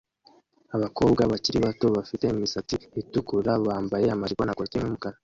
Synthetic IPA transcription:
aβako̞bɡaβaciɾiβato̞βafite̞imisatiitukuɾaβaːmbaje̞amaʒɡwanakotimumukaɾa

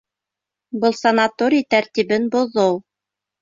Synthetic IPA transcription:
bɤlˠsɐnat̪oɾʲijt̪æɾt̪iβɘnbŏðɤw

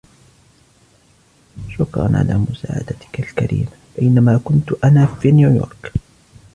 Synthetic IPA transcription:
ʃʊkɾˤɑ̰nʕa̰laːmʊsa̰ːʕa̰d̪at̪ɪ̥kalka̰ɾḭːmab̥ajnamaːkʊnt̪ʊʔanaːfiːnjuːjo̰ːɾˤk

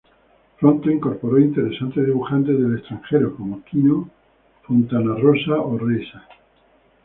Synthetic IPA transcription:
pɾont̪oiŋkoɾpo̞ɾoint̪e̞ɾe̞sant̪eðiβuxant̪eðele̞st̪ɾaŋxeɾokomokino | font̪anarosaoresa

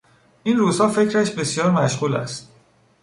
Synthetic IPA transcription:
ʔiːnruːzhɒːfe̞cʰɾæʃbe̞sjɒːɾmæʃɣuːlæ̰st̪̚

